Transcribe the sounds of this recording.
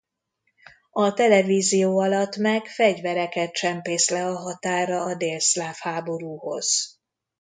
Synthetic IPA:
ɒt̪ɛlɛviːzijoːɒlɒt̪ːmɛkfɛɟvɛɾɛkɛt̪̚t͡ʃɛmpeːslɛɒɦɒt̪aːrɒːd̪eːlslaːfhaːbo̞ɾuːho̞̰z̥

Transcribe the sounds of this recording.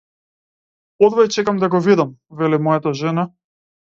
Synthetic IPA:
ɔd̪vajt͡ʃɛkamd̪aɡɔvid̪amvɛlimɔjat̪aʒɛna

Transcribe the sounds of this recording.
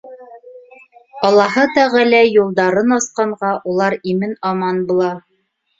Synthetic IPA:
ɒlˠːɑɦɤt̪æʁælæjulˠd̪ɑɾɤnɑsqɑɴʁɑʔulˠɑɾimɘnɑmɑnbulˠɑ

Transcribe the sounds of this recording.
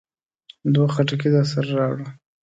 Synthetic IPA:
d̪waxaʈak̬ed̪ɑsaɾaɾɑwɽu

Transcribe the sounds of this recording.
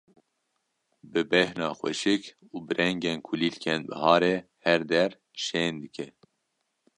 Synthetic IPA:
bɨbɛhnɑːxwɛ̰ʃɨk | uːbɨɾɛŋɡeːnkʰuliːlkʰɛnbɨ̰hɑːɾeː | hɛɾd̪ɛɾ | ʃeːnd̪ɨkʰɛ

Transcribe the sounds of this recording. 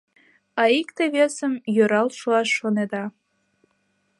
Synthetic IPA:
ɑikt̪eβesəmjøɾɑlʃoɑʃːoned̪ɑ

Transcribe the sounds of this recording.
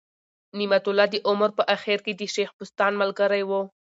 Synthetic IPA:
nimat̪ʊlɑd̪əʔʊməɾpəʔaxeɾked̪əʃexpʊst̪ɑnməlɡaɾajwo

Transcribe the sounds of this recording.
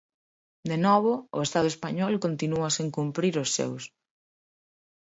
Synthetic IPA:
d̪enɔβʊʊ̰est̪aðʊespaɲɔlkont̪inuɐseŋkumpɾiɾʊsːḛws

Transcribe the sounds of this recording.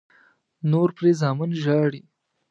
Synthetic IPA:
noɾpɾezɑːmɪnʒɑɽi

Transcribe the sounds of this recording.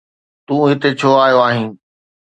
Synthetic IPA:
t̪ũːʊ̃ɦɪ̃t̪et͡ɕʰoːaːjoaːɦɪ̃n

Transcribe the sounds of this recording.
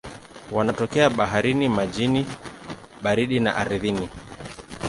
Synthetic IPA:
wanatɔkɛaɓaɦaɾinimad͡ʒini | ɓaɾiɗina̰ʔaɾiðini

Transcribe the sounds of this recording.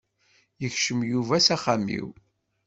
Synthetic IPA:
jəçʃəmjuvæsæχamḭw

